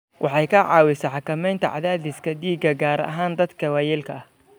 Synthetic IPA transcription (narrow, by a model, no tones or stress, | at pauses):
wʔɑħɑjkʰɐʕɑ̰ːwɪsɐħɑkʰɐmɛjnt̪ʰɐʕɑ̰ðaːðɪskʰɐd̪iːɡɐɡaːɾɐ̰ɦaːnd̪ɐd̪kʰɐwaːjɛːlkʰɐɐh